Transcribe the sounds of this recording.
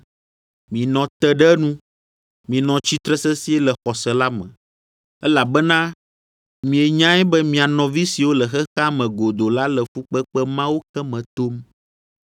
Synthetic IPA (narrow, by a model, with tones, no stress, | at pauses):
mĩ˨nɔ̃˨t̪ɛ˦ɖɛ˦nũ˦ | mĩ˨nɔ̃˨t͡ɕi˦t̪ɾɛ˦sɛ˦si˦ɛ˦lɛ˨xɔ˨sɛ˨la˦mɛ̰̃˨ | ɛ˦la˨bɛ˦nã˦ | mĩ˨ɛ˨ɲã˦ɛ˦bɛ˦mĩ˨a˨nɔ̃˨vi˦si˨wo˦lɛ˨xɛ˦xa˦mɛ̃˨ɡo˨d̪o˨la˦lɛ˨fu˦k͡pɛ˦k͡pɛ˦mã˦wo˦kɛ˦mɛ̃˨t̪o˦m